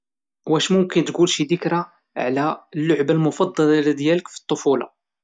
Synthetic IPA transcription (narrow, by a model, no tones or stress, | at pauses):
wæʃmʊmkənt̪ɡulʃid̪əkɾa | ʕlæəlːʊʕbalmʊfɑd̪ˤːɑlɑlɑd̪jæləkfi̥t̪ˤːofulɑ̰